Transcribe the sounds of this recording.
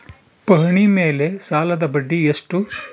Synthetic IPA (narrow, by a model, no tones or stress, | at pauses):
pɐɦɐɳimeːle̞saːlɐd̪ɐbɐɖːieʂʈu